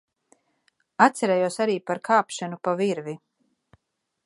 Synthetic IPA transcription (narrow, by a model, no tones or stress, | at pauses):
at̪sɛɾɛjuɔsaɾiːpaɾkʰaːpʃanupaviɾvi